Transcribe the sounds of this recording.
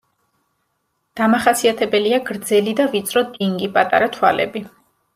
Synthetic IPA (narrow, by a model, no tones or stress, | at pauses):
d̪̥amaχasiat̪ʰɛbɛliaɡɾd̪zɛlid̪avit̪sʼɾɔd̪iŋɡipʼat̪ʼa̰ɾat̪ʰwa̰lɛ̰bi